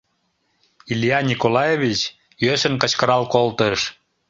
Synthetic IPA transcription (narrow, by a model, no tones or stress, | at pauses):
ilʲjɑnʲikolɑjevit͡ɕ | jøʃənkət͡ɕkəɾɑlkolt̪əʃ